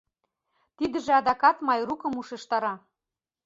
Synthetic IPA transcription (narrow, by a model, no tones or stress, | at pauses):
t̪id̪ə̆ʒĕɑd̪ɑkɑt̪mɑjrukɤ̆muʃĕʃt̪ɑɾɑ